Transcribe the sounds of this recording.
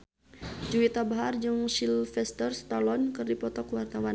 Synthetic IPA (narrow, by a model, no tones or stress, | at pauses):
d͡ʒuwit̪abaɦard͡ʒɨŋʃilfɛst̪ərst̪alɔnkɨrdipɔt̪ɔkuwart̪awa